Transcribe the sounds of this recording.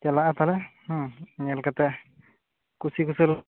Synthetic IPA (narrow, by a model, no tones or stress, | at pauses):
d͡ʒalaat̪alɛhɲalkat̪ɛ | kusikusəl